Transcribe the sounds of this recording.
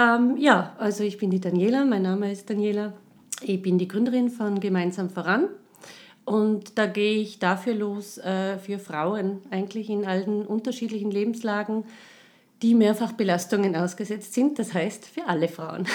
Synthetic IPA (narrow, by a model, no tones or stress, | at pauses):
ʔɛmjaːʔalzoɪçb̥ɪndiːdanjeːlamaɪnːaːməɪst̚d̥anjeːla | ɪçb̥ɪndiːɡʁʏndəʁɪnfɔnɡəmãɪnzaːmfoːʁan | ʔʊntd̥aːɡeːəɪçd̥afyːɐloːsɛːfyːɐfʁ̥aʊənʔaɪɡŋ̩tlɪçɪnaln̩ʔʊntɐʃiːdlɪçn̩leːbm̩slaːɡŋ̩ | d̥iːmeːɐfaχb̥əlastʊŋənaʊsɡ̥əzɛt͡stz̥ɪnt̚d̥ashaɪstfyːɐʔaləfʁ̥aʊən